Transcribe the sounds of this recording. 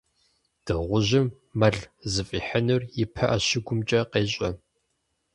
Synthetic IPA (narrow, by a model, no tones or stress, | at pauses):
d̥ɨʁʷʊʑɪmː | ɐɮzɨfʼiːħɐnɨrjɪpʰɐʔɐɕɪɡʷʊmt͡ʃʼɐqeːɕʼɐ